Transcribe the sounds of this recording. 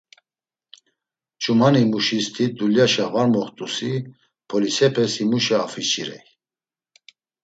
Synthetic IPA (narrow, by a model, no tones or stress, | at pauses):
t͡ʃʼumanimuʃist̪ʰid̪uljaʃavaɾmɔχt̪ʼusi | pʰɔlisɛpʰɛsimuʃɛafit͡ʃʰʼiɾɛ̰j